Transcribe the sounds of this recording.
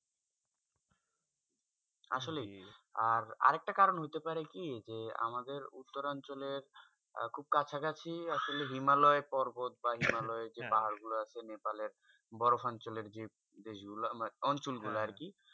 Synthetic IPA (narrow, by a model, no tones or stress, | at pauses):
a̰ʃolejaɾa̰ɾek̚ʈakaɾonɦojt̪epaɾekid͡ʑea̰mad̪eɾṵt̪ːoɾant͡ɕoleɾ | kʰub̚kat͡ɕʰaɡat͡ɕʰiaʃoleɦimalɔepɔɾbot̪̚baɦimalɔed͡ʑebaɦaɾɡuloat͡ɕʰenepaleɾ | bɔɾofant͡ɕoleɾd͡ʑe | d̪eʃɡuloɔnt͡ɕolɡuloaɾki